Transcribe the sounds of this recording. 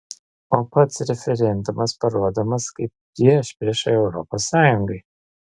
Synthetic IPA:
oːpɐt̪sɾʲɛfʲɛɾʲɛnd̪ʊmɐspɐɾuɔd̪ɐmɐskɐɪp̚pʲɾʲiɛʃpʲɾʲiɛʃɐɪɛʊɾɔ̰posːɑːjʊŋɡɐɪ

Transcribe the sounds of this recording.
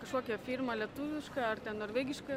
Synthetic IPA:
kɐʃkoːkʲɛfʲiːɾmɐlʲiɛt̪ʊʋʲɪʃkɐɐrt̪ʲɛnnoːɾʲʋʲæːɡʲɪʃkɐ

